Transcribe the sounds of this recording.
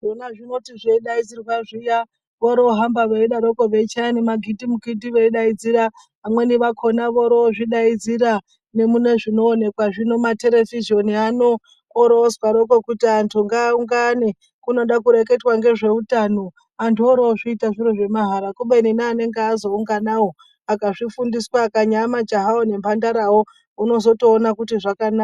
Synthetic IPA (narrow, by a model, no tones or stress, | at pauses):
ʐonaʐino̞tiʐeiɗaid͡zirwaʐija | ʋoɾoɦambaʋeiɗaɾokoʋe̞t͡ʃanimaɡʱidimuɡʱidiʋeiɗaid͡ziɾa | amwe̞niʋakʰo̞naʋoɾoʐiɗaid͡ziɾa | ne̞mune̞ʐino̞ːne̞kwaʐino̞mate̞ɾe̞viʒo̞nianoː | ɾozwaɾokokutiantʰuŋɡaːuŋɡane | kuno̞ɗakuɾe̞ke̞twaŋɡe̞ʐe̞utano | antuoɾoʐiitaʐiɾoʐe̞maɦaɾakuɓeninaːne̞ŋɡeazo̞uŋɡanawo | akaʐifundiswakaɲamad͡ʒaɦaone̞mbandaɾawo̞ | uno̞zo̞toːnakutiʐakanaka